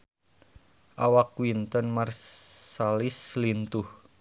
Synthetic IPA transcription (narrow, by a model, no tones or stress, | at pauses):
ʔawakwint̪ɔnmarsalislint̪uh